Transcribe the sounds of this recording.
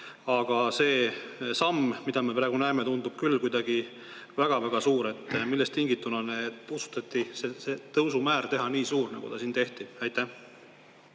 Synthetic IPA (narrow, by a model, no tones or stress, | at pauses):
ɑɡ̥ɑse̞ːsɑmːmid̪̥ɑme̞pɾæːɡ̥unæemet̪und̪ub̥kylːkujd̪̥ɑɡ̥i | væɡ̥ɑvæɡ̥ɑsuːɾe̞t̪ːˑmilːest̪ːiŋɡit̪ːˑunɑneusu̥t̪ːˑɑt̪ːˑiseset̪ɤwsumæːɾt̪e̞ɦɑniːsuːɾnɑ̰ɡ̥ṵd̪ɑsiːnt̪e̞ht̪iæjt̪ːæh